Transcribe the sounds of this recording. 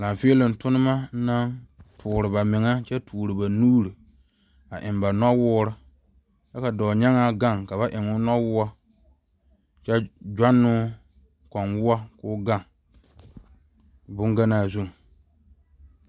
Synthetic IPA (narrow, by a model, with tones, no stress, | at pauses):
la˨ɱ˨fi˦e˦lɪ˨n˨tʊ˦nɨ˦ma˦na˦ntʰʊː˨ɾɨ˨ba˨mɪ˨ŋa˦t͡ʃɛ˦tʰuː˨ɾɨ˨ba˨nuː˦ɾi˨ | a˨ʔɪ˨mba˨nɔ˦wʊː˦ɾɨ˦ | t͡ʃɛ˦ka˨dɔː˨ɲɛ˦ŋa˦ɡa˦˨ŋka˨βa˦ʔɪ˨ŋʊ˦nɔ˦wʊ˦a˦ | t͡ʃɛ˦d͡ʒa˦nːʊ˦ | kɔ˨nwʊ˦a˦kʊː˦ɡa˦˨ŋ | bʊ˦ŋɡa˦naː˨zu˦˨ŋ˨